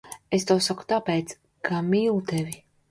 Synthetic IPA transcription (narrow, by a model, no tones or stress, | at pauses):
est̪awsaku̥t̪apɛːt̪s | kamiːlˠut̪ɛvʲi